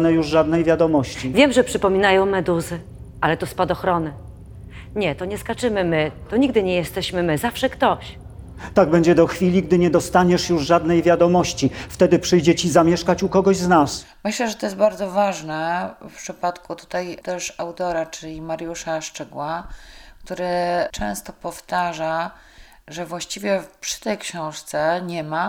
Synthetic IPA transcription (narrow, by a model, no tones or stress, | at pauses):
nɛjuʐʐad̪nɛjvʲjad̪ɔmɔɕt͡ɕivʲjɛmʐɛpʂɘpɔmʲinajɔ̃w̃mɛd̪uzɘ | alɛt̪ɔspad̪ɔxɾɔnɘ | ɲɛt̪ɔɲɛskat͡ʂɘmɘmɘt̪ɔɲiɡd̪ɘɲɛjɛst̪ɛɕmɘmɘzafʂɛkt̪ɔɕ | t̪aɡ̚bɛɲd͡ʑɛd̪ɔxfʲilʲiɡd̪ɘɲɛd̪ɔst̪aɲɛʂjuʐʐad̪nɛjvʲjad̪ɔmɔɕt͡ɕift̪ɛd̪ɘpʂɘjd͡ʑɛt͡ɕizamʲjɛʂkat͡ɕukɔɡɔʑznas | mɘɕlɛʐɛt̪ɔjɛsbaɾd̪zɔvaʐnɛfpʂɘpat̪kut̪u̥t̪ajt̪ɛʂawt̪ɔɾat͡ʂɘlʲimaɾjuʂaʂt͡ʂɛɡwakt̪uɾɘt͡ʂɛ̃w̃st̪ɔpɔft̪aʐa | ʐɛvwaɕt͡ɕivʲjɛpʂɘ̥t̪ɛjkɕɔ̃w̃ʂt̪sɛɲɛma